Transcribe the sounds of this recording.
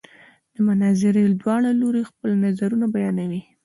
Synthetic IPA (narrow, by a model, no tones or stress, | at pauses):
d̪̥əmanɑzɪɾeld̪wɑɽaloɾexpəlnazaɾunabajɑnawi